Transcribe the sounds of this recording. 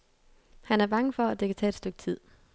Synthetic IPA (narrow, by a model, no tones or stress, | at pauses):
hænæɐb̥ɑ̈ŋəfɒæd̥e̝ɡ̥æ̥t͡sʰɛ̰ːed̥sd̥øɡ̥̚t͡sʰið̰ˠ